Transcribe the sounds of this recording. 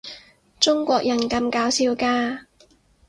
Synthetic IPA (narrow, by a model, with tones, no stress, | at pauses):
t͡sʊ˥ŋkʷɔː˧k̚jɐ˨˩nkɐ˧mkaː˨˧˥wsi˧wkaː˧